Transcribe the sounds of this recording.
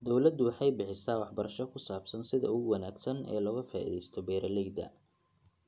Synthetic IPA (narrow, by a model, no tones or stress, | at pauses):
d̪ɔwlɐd̪ʊwɑħɑjbɪħɪsaːwɑħbɐɾɐʃɔkʰʊsaːbsɐnsɪðɐ̰ʊɣʊwɐnaːɡsɐnɛ̰ːlɔːɣɐfaːʔḭðɛjst̪ʰɔbɛːɾʔɐlɛjd̪ɐ̰